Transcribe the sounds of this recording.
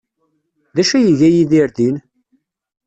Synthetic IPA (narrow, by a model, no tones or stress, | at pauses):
ðæʃæjəʝæjiðiɾðin